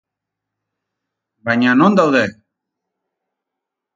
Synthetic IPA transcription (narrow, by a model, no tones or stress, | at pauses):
baɲanõnd̪awðe